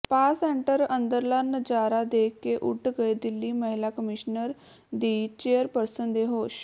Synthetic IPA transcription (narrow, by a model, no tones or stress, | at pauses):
paːsɛːɳʈəɾənd̪əɾlənd͡ʒaːɾaːd̪eːkːeːʔʊʈɡəeːd̪ɪlːiːməɦɪlaːkəmɪʃnəɾ | d̪iːt͡ʃeːəɾpəɾsənd̪eːɦoːʃ